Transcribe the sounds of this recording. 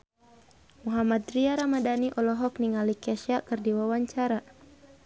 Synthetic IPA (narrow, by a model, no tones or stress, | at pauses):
muɦamat̪riaɾamadaniʔɔlɔɦɔkniŋalikaʃakɨrdiwawaɲt͡ʃaɾa